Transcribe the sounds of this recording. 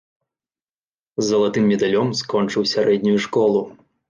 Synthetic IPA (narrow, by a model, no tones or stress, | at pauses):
zːɐlˠat̪ɨmːʲɛd̪alʲɔmskɔnt͡ʂɨwsʲaɾɛd̪ʲnʲujuʂkɔlˠu